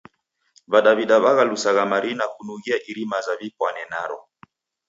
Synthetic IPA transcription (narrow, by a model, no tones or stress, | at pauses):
βaɗaβiɗaβaɣalusaɣamaɾinakunuɣiaʔiɾimazavipwanɛnaɾɔ